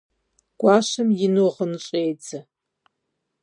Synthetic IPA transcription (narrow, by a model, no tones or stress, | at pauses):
ɡ̥ʷaːʃɨmjɪnuʁənɨɕʼeːjt͡sʰɐ